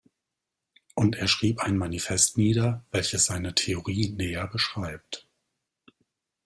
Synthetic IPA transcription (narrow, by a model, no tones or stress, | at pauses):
ʔʊntʔeːɐʃʁ̥iːpaɪnmanifɛstniːdɐvɛlçəsz̥aɪnətʰeoʁiːneːɐbəʃʁ̥aɪp̚t